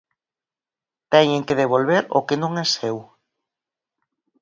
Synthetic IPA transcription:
t̪ɛɲeŋkeðeβ̞olβeɾʊ̰kenõŋɛsew

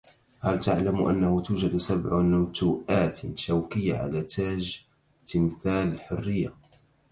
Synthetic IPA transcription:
halt̪aʕlamʔa̰nːahʊt̪uːd͡ʒad̪sabʕnʊt̪uːʔaːt̪ʃawkɪjːaʕa̰laːt̪aːʒ | t̪ɪmθaːlɪlħʊrːɪjːa

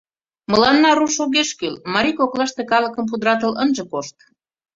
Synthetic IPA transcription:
mə̆lɑnːɑɾuʃoɣeʃkylmɑɾʲikoklɑʃt̪ekɑlə̆kə̆mp̬ud̪ɾɑt̪̬ə̆lənʒĕkoʃt̪

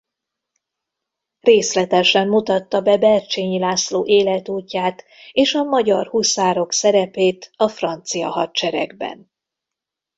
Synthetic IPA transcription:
reːslɛt̪ɛʃɛmːut̪ɒt̪ːɒbɛbɛrt͡ʃeːɲilaːsloːʔeːlɛt̪uːcːaːt̪ | eːʃɒmɒɟɒrhusaːɾo̞ksɛɾɛpeːt̪ɒfrɒnt̪sijɒ̰ɦɒtt͡ʃɛɾɛ̰ɡbɛ̰n

